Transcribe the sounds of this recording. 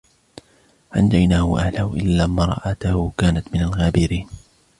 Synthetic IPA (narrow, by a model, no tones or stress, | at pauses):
ʕand̪ajnaːhʊʔahlaːwʔɪlːaːmɾˤɑ̰ʔat̪ahʊkaːnat̪mɪnalɣaːbɪɾiːn